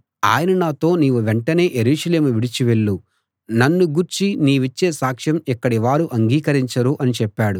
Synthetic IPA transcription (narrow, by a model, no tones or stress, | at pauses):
a̰ːjɐnɐnaːt̪o̞ːniːʋuʋeɳʈɐne̞ːjeɾuːʂɐle̞ːmuʋiɽit͡ʃiʋeɭːu | nɐnːuɡuɾt͡ʃiniːʋit͡ʃːeːsaːkʂɐmikːɐɽiʋaːɾuʔɐŋɡiːkɐɾiɲt͡ʃɐɾuʔɐnit͡ʃɛpːaːɽu